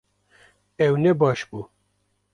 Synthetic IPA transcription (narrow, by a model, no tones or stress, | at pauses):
ɛwnɛbɑːʃbu